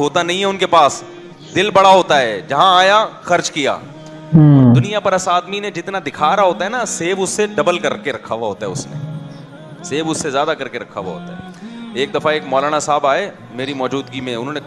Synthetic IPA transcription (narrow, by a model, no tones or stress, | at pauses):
ɦoːt̪anɐɦĩɦɛʊnkepaːs | d̪ɪlbɐɽaɦoːt̪aɦɛːd͡ʒɐɦãaːjaxɐɾt͡ʃkija̰ː | d̪ʊnijapɐɾɐsaːd̪mined͡ʒɪt̪nad̪ɪkʰaːɾaɦoːt̪aɦɛnaseːbʊsːeɖɐbəlkɐɾkeɾɐkʰaʋaɦoːt̪aɦɛʊsnḛ | seːbʊsːezjaːd̪akɐɾkeɾɐkʰaʋa̰ɦo̰ːt̪aɦɛ | eːk̚d̪ɐfaeːkmɔːlaːɽ̃asaːbaːe | meːɾimɔːd͡ʒuːd̪ɡimẽʊnɦõːne